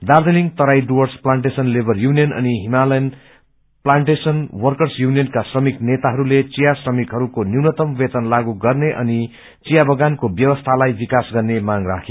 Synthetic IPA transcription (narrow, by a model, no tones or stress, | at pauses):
d̪ard̪eliŋt̪ʌɾajɖuwʌrsplaɳʈesʌnlebʱʌrjunijʌnʌ̰niɦimalʌjn | plaɳʈesʌnwʌrkʌrsjunijʌnkasrʌmiknet̪aɦʌɾulet͡sijasrʌmikɦʌɾukoniwnʌt̪ʌmbet̪ʌnlaɡuɡʌrneʔʌ̰ni | t͡sijabʌɡankobjʌwʌst̪ʰalajbikasɡʌrnemaŋɡra̰kʰe